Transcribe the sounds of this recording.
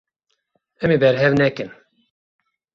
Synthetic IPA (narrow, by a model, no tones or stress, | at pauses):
ɛmebɛɾɦɛvnɛkɨn